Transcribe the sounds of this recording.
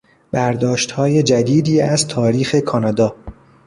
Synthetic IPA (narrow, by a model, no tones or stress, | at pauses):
b̥æɾd̪ɒːʃt̪hɒːje̞d͡ʒæd̪iːd̪iːæzt̪ʰɒːɾiːxe̞kʰɒːnɒːd̪ɒː